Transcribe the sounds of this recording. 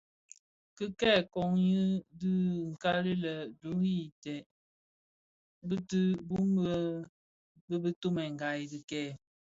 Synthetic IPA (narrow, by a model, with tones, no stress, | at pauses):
kə˦kɛː˦˨kɔ˨ŋjə˦dɨ˦ŋ̩˨ka˦li˦lə˨do˨˦hi˦˨tɛ˨ | bə˦tɨ˦bu˦mbə˦ | bə˦bə˦to˦mɛ˨ŋ˨ɡa˨jdi˨kɛː˦˨